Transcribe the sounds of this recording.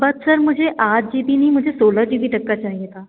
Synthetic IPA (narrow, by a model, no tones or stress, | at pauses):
bət̪səɾmʊd͡ʑʱeʔat̚d͡ʒipiniːmʊd͡ʑʱesoːləd͡ʒiːbiːʈəkːat͡ʃaːɦijet̪a